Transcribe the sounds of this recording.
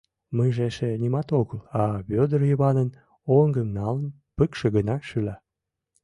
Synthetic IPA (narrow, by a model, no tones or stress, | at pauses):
məjʒeʃenʲimɑt̪oɣəlɑβød̪ərjəβɑnən | oŋɡəmnɑlən | pəkʃeɣənɑʃylɑ